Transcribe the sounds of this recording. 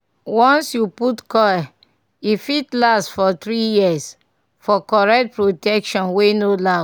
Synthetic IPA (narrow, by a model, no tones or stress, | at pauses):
wɔ̃nsjuputkɔa | ifitlastfɔt̪ɾijis | fɔkɔɹɛk̚t̚pɹotɛkʃɔ̃nwenola